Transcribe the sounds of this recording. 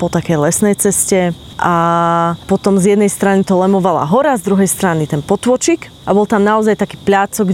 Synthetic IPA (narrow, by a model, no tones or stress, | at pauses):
pɔt̪akɛjlɛsnɛjt͡sɛscɛ | ʔa | pɔt̪ɔmzjɛd̪nɛjst̪ɾanit̪ɔlɛmɔʋala̰ɦɔɾazd̪ɾuɦɛjst̪ɾanit̪ɛnpɔt̪ʋɔt͡ʃik | ʔabɔlˠt̪amnaɔzajt̪akiːpʎaːt͡sɔɡ